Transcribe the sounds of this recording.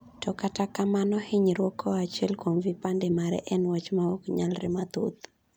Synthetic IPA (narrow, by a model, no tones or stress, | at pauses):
tɔkatakamanɔhɪɲɾwɔkʰɔat͡ʃɛlkwomvipandemaɾɛ̰ʔɛnwat͡ʃmaɔkɲalɾɪ̰mat̪ut̪